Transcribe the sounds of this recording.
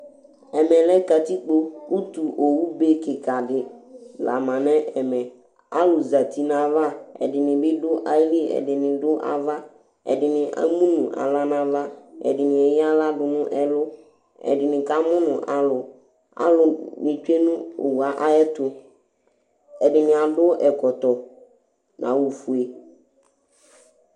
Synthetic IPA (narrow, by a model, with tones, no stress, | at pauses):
ɛ˨mɛ̃˨lɛ˦ka˨t̪i˦k͡po˦u˦t̪u˨ʔo˨wu˦be˦kɪ˨ka˨ɖɪ˨la̰˨mã˨nɛ̃˦ʔɛ˨mɛ̃˨ | a̰˦lʊ˨za˨t̪i˨nã˨va˦ɛ̰˨dɪ˨nɪ̃˨bɪ˦ɖʊ˦ʔa˨˦li˦ɛ̰˨dɪ˨nɪ̃˨ɖʊ˦ʔa̰˨va˦ | ɛ̰˨dɪ˨nɪ̃˨ʔa̰˦mũ˦nũ˨ʔa̰˨la˦nã˦va˦ɛ̰˨dɪ˨nɪ̃˨ɛ˨jɪ˦a˦la˦dʊ˨nʊ̃˦ʔɛ˨lʊ˦ | ɛ̰˨dɪ˨nɪ̃˨ka˦mʊ̃˦nʊ̰̃˨ʔa˨lʊ˨ | a̰˦lʊ˨mɪ̃˨t͡ʃᶣe˦nʊ̃˦o˨wu˨a˨ʔa˦ɛ˦t̪ʊ˨ | ɛ˨dɪ˨nɪ̃˨a˨dʊ˦ʔɛ˨kɔ˨t̪ɔ˨ | nʔã̰˨wu˨fu˨e˨